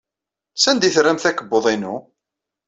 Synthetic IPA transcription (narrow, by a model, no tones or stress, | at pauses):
sænd̪iθɾæmθækəbːoðˤinu